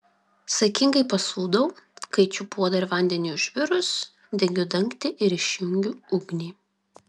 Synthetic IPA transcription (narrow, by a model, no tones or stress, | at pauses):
sɐkʲɪŋɡɐɪpɐsuːd̪ɐʊkɐɪt͡ʃʲʊpuɔd̪ɐɾʲʋɐnʲd̪ʲɛnʲiʊʒʲʋʲɪɾʊs | d̪ʲɛɡʲʊd̪ɐŋkt̪ʲɪʔɪɾɪʃʲjʊŋʲɡʲʊʊɡnʲiː